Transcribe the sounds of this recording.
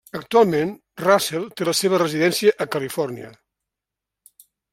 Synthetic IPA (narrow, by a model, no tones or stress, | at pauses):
ək̚t̪ualˠmen | rasɛlˠt̪eləseβ̞ərəziðɛnsiəʔəkəlifɔrniə̰